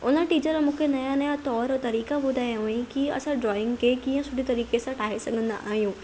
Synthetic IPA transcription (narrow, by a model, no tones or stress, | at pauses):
ʊ̰n̤əʈiːt͡ɕəɾmũːkʰenɐjanɐjat̪ɔːɾɔt̪ɐɾiːkabʊd̪ʱajũĩkiɐ̰sãɖɾɔːɪ̃ŋɡkekiːə̃sʊɖʱit̪ɐɾiːkesãʈʰaːɦesɐɡʱə̃nd̪aʔaːɦijũː